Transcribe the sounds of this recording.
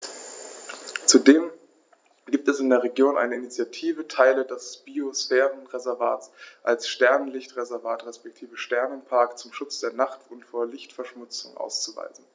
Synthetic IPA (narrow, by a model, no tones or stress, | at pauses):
t͡sudeːm | ɡiːp̚tɛsɪndeːɐʁeɡjoːnʔa̰ɪnəɪnit͡sjatʰiːvətʰaɪlədɛsb̥iosfɛːʁənʁezɛɐva̰ːtsʔalsʃtɛɐnənlɪçtʁezɛɐvaːtʁɛspɛk̚tʰiːvəʃtɛɐnənpʰaɐkt͡sʊmʃʊt͡sd̥eːɐnaχtʊntfoːɐlɪçtfɛɐʃmʊt͡sʊ̰ŋʔa̰ʊst͡suva̰ɪzn̩